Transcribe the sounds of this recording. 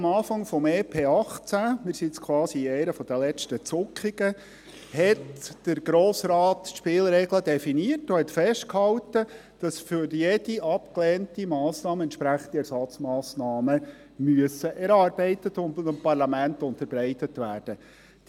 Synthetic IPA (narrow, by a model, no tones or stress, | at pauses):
ɑmɑːfɑŋfɔmeːpʰeːɑχt͡sæmɪːɾsit͡skʰwɑːsiɛɪnəfɔd̥əlɛt͡ʃtət͡sʊkχiɡ̥ə | hɛtd̥əɾɡ̥ɾoːsɾɑːtʃpɪːlɾɛɡlədɛfiniərtohɛtfɛʃtkhɑwtə | d̥ɑsfyɾjɛd̥iɑpklɛːntimɑːsnɑːməɛnt͡ʃʃpɾæχəndiɛɾsɑt͡smɑːsnɑːmə | myəsəʔɛɾɑːrbɛɪtətʊnmpɑrlɑmæntʊnt̪əɾb̥ɾɛɪtətʋæːrd̥ə